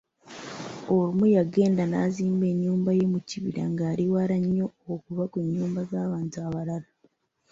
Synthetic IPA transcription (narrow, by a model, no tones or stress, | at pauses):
olumujaɡe̞ːndanaːziːmbe̞ɲːuːmbaje̞muciβḭɾa̰ŋɡaːɾiwaɾaɲːo̞okuβakweɲːuːmbazaːβaːntuaβalala